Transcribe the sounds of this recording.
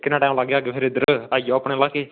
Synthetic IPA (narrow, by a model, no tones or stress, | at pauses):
kɪnãːʈãːlaɡaːɡepʰɪɾɪd̪əɾaːjoːpɽẽːlaːkeː